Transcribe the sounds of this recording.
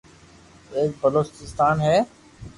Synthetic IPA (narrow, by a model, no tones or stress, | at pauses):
eːk̚bəloːt͡ʃɪst̪aːnɦɛː